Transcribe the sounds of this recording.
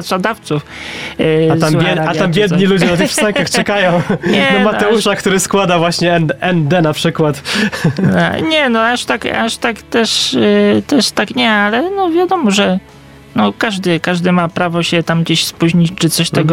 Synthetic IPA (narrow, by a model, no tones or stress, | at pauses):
t̪ʂad̪aft̪suf | azamjɛat̪ambʲjɛd̪ɲilud͡ʑ̪ɛnat̪xfsajkaxt͡ʂɛkajɔ̃w̃ɲɛnɔmat̪ɛuʂakt̪uɾɘskwad̪avwaɕɲɛɛnɛnd̪ɛnapʂɘkwat̪ | ɲɛnɔaʂt̪aka̰ʂt̪akt̪ɛʂt̪ɛʂt̪akɲɛalɛnɔvʲjad̪ɔmɔʐɛ | nɔkaʐd̪ɘkaʐd̪ɘmapɾavɔɕɛt̪amɡd͡ʑeɕspuʑɲit͡ɕt͡ʂɘt̪sɔɕt̪ɛɡɔ